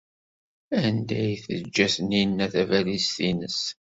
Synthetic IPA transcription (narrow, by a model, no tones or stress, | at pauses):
ænd̪æjθə̰d͡ʒːæθninːæθævælist̪inəs